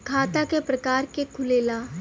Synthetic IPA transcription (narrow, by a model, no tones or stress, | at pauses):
kʰaːt̪akepɾɐkaːɾkekʰʊleːlaː